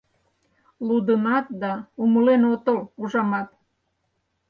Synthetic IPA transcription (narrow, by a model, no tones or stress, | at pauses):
lud̪ənɑt̪̚d̪ɑuməlenot̪əluʒɑmɑt̪̚